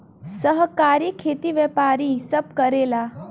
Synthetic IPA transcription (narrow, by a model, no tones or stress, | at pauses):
səɦkaːɾiːkʰet̪iʋjɛpaːɾisəb̚kəɾela